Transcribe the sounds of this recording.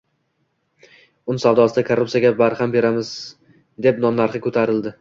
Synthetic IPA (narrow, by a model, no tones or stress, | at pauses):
ʊnɪsawd̪ɒsɪd̪akʰoɾːup̚sijaɡʲabaɾhambe̞ɾamɪz | d̪e̞pnɒnːaɾχɨkʰɵt̪ʰaɾɪld̪ɪ